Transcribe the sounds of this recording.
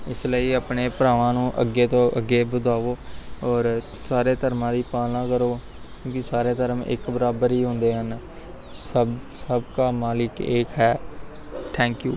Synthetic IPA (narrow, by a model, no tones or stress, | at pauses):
ɪsləiːaːpɳeːpɾaːʋãːnũːʔə̰ɡːeːt̪õːʔəɡːeːbʊd̪ʱaːʋoːɔːɾ | saːɾeːt̪əɾmãːd̪iːpaːlnãːkəɾoː | kjõːkɪsaːɾeːt̪əɾəmɪ̰kbəɾaːbəɾiːɦõnd̪eːɦən | ssəbkaːmaːlɪkeːkɦɛː | ʈ̪ʰɛ̃ːŋkjuː